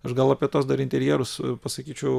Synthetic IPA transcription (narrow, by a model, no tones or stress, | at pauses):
ɐʃɡɐlˠɐːpʲiɛt̪oːsd̪ɐɾɪnʲt̪ʲɛɾʲjiɛːɾʊspɐsɐkʲiːt͡ʃʲɛʊ